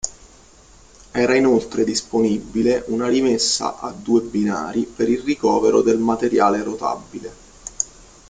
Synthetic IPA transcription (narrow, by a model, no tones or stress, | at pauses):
ɛːɾainolt̪ɾed̪isponibːileʔunaɾimesːa̰ʔad̪ːuːebina̰ːɾipeɾilrikɔːveɾo̰d̪elmat̪eɾjaːleɾot̪a̰bːile